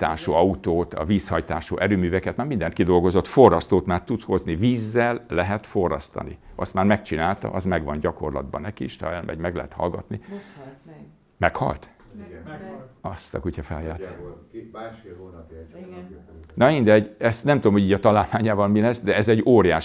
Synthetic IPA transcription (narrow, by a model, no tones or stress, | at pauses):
t̪aːʃoɒut̪oːt̪ɒ̰viːshɒjt̪aːʃo̰ːʔɛɾøːmyːvɛkɛt̪maːrmind̪ɛnt̪̚kid̪o̞lɡo̞zo̞t̪fo̞rːɒst̪oːt̪maːrt̪ut̪sho̞zniviːzːɛlːɛɦɛt̪fo̞rːɒ̰st̪ɒ̰nḭʔɒst̪maːrmɛkt͡ʃinaːlt̪ɒ̰ʔɒzmɛɡʋɒnɟɒko̞̰rlɒ̰d̪̚bɒ̰nɛkiʃt̪ɒɛlmʔɛ̰ɟmɛɡlɛ̰ɦɛt̪hɒ̰lɡɒ̰t̪ni | mɛkhɒ̰lt̪ | ɒst̪ɒ̰kucʰɒfɛ̰jaːt̪ | nɒind̪ɛɟɛst̪nɛmt̪ud̪omho̞iːɟɒt̪ɒlaːlmaːɲaːvɒlmilɛsd̪ɛɛzɛɟoːɾijaːʃ